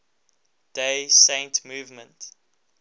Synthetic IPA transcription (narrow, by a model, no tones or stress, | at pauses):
d̥esẽɪ̃ntmuːvmə̃nt